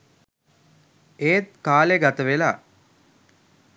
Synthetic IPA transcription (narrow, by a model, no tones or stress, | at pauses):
eːt̪̚kaːleɡat̪əʋela̰ː